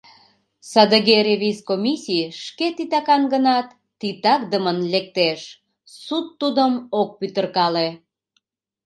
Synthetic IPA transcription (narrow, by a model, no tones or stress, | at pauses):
sɑd̪əɣeɾeβiskomʲisʲijʃket̪it̪ɑkɑnɡənɑt̪ːit̪ɑkd̪əmənlek̚t̪eʃ | sut̪ːud̪əmok̚pyt̪ərkɑle